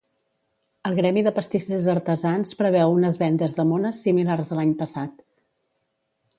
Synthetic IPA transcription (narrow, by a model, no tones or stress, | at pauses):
əlˠɣɾɛmiðəpəst̪isizəɾt̪əzanspɾəβɛwunəzβɛnd̪əzðəmonəsimilarzðəlaɲpəsat̪